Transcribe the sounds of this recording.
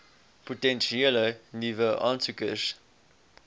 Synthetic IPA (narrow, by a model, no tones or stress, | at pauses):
potɛ̃nʃiɛlənivəʔɑnsukəs